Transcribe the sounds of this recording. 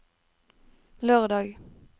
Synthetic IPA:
løːʁd̪ɑːɡ

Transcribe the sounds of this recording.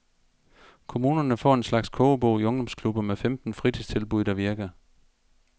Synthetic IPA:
kʰo̝muːnɐnəfɒ̰ːe̝nslɑ̈ɡ̥skʰob̥o̰ːiɔ̽ŋd̥ɒ̽mskʰlub̥ɐmefemd̥n̩fʁid̥ʰist͡sʰe̝lb̥uð̰ˠd̥ɑ̈ʋiɐɡ̥ɐ

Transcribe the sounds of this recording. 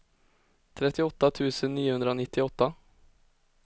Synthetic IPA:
t̪ʰɾɛt̪ːɪɔt̪ːat̪ʰʉ̟ːsənːiːʊhɵnd̪ɾaoːnɪt̪ʰːɪɔt̪ːa

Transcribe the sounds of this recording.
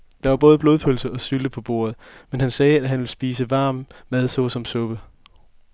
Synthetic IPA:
d̥ɑ̈ʋɑ̈b̥ɔ̽ːð̞̩ˠb̥lo̝ð̩ˠpʰølsəʔɒ̽syləpʰɒ̽b̥o̝̰ːɐð̞̩ˠmenɦænsɛːæɦænʋe̝lsb̥iːsəʋɑ̈ːmːæð̞ˠsɒ̽sɒ̽msɔ̽b̥ə

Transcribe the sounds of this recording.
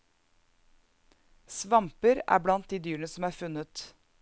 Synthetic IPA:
sʋɑmpəɾæ̰ːblɑnt̪̚d̪iːd̪yːɳəsɔmæːɾfʉnət̪

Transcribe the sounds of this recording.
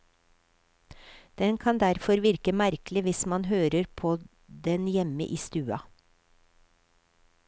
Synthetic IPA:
d̪̥ɛnkʰɑnd̪æɾfɔɾʋɪɾkəmæɾklɪʋɪsmɑnɦøːɾəɾpʰoː | d̪ɛnjɛmə̰ʔiːst̪ʉːɑ

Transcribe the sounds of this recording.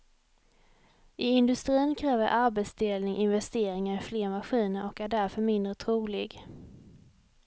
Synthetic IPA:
ʔɪɪnd̪ɵst̪ɾiːnkʰɾɛːvəɾʔaɾbɛt̪sd̪eːlnɪŋʔɪnvɛst̪eːɾɪŋaɾɪfleːɾmaɧiːnəɾɔkæɖæɾfœɾmɪnd̪ɾət̪ʰɾuːlɪɡ

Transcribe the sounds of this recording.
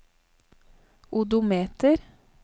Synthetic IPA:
ʔʊd̪ʊmeːt̪əɾ

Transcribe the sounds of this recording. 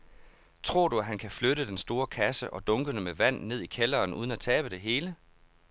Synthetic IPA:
t͡sʰʁo̝ɐ̰d̥uæɦænkʰæfløɾəd̥ensd̥o̝ːɐkʰæsəʔɒ̽d̥ɔ̽ŋɡ̥ədəmeʋæn̰ne̝ð̰ˠikʰelɐːnʔṵːðˠən̩æt͡sʰɛːb̥əd̥e̝ɦe̝ːlə

